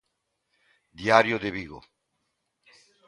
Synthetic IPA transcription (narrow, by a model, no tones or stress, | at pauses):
d̪jaɾjoðeβiɣo̰